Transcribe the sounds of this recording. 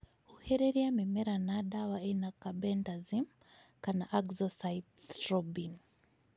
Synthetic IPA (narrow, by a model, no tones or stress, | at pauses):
uhɛɾɛɾiamimɛɾanaɗawaɛnakabɛndazim | kanaʔaɡzɔsajtstɾɔbin